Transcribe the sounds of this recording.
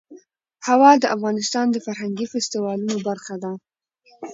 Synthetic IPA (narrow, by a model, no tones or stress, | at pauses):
hawɑd̪əʔafɣɑnɪst̪ɑnd̪əfaɾɦaŋɡifɪst̪iwɑlunobaɾxad̪a